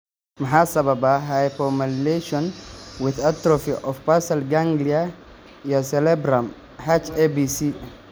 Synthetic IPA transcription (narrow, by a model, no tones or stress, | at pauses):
mɐħasɐbɐbaɦajfɔmɐleʃɔnwɪðat̪ɾɔfiʔɔfpasɐlɡãŋɡlia | jasɛlɛbɾam | ħat͡ʃebisi